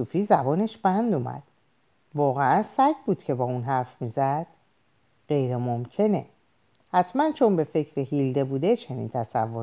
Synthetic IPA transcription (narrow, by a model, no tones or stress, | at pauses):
uːfiːzæbɒːneʃb̥ænd̪umæ̰d̪̥ | vɒːɣeʔænsæɟʰbuːd̪̥cʰe̞bɒːunɦæɾfmiːzæd̪̥ | ɢe̞jɾemomcʰe̞ne̞̰ | hæt̪ʰmænt͡ʃʰo̞nbe̞fe̞cʰɾeɦild̪e̞buːd̪e̞t͡ʃʰe̞nḭnt̪ʰæsæ̰vːoɾ